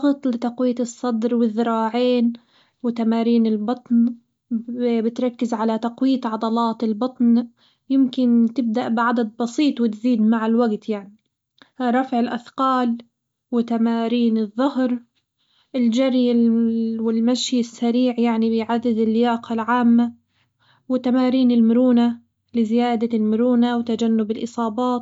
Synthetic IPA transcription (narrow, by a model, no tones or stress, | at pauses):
ɣɨt̪ˤlɪt̪aqwiːt̪ɨsˤːɑd̪ɾwɪðːɪɾɑːʕeːn | wɪt̪amaːɾiːnɪlbɑt̪ˤn | bɪt̪ɾˤɑkːɪzʕalat̪aqwiːt̪ʕɑd̪ˤɑlɑːt̪ɪlbɑt̪ˤn | jɪmkɪnt̪ɪb̚d̪aʔbɪʕad̪ad̪̚bɑsiːt̪ˤwɪt̪ziːd̪maʕɪlwaɡt̪jaʕni | ɾˤɑfʕɪlʔaθqɑːl | wɪt̪amaːɾiːnɨðˤːʊhɾ | ʔɪld͡ʒaɾj | wɪlmaʃjɪsːaɾiːʕjaʕnibɪjʕad̪ːɪd̪ɪlːɪjaːqɑlʕaːmːa | wɪt̪amaːɾiːnɪlmʊɾuːna | lɪzɪjaːd̪almʊɾuːnawɪt̪ad͡ʒanːʊbɪlʔɨsˤɑːbɑːt̪